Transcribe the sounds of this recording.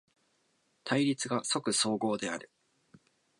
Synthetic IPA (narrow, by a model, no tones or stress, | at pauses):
t̪ʰaiɾʲit͡sɨɡaso̞kɯ̟so̞ːɡo̞ːd̪e̞aɾɯ̟